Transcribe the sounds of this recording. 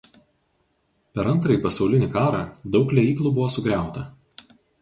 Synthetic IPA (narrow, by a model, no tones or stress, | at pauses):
pʲɛɾɐnt̪ɾɐipɐsɒʊlʲɪnʲɪkɑːɾɑːd̪ɒʊklʲɛiːklˠuːbʊʋoːsʊɡɾʲæˑʊt̪ɐ